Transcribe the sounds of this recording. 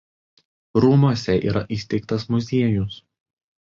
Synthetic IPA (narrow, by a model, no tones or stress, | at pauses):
ɾuːmusʲɛʔḭːɾɐʔiːˑsʲt̪ʲɛɪk̚t̪ɐsmʊzʲiɛjʊs